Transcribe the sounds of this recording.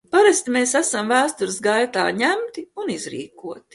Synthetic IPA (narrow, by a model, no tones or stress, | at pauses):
paɾast̪imeːsæsamvæːst̪uɾsɡajt̪a̰ːɲæmt̪iunizɾḭːkuɔt̪i̥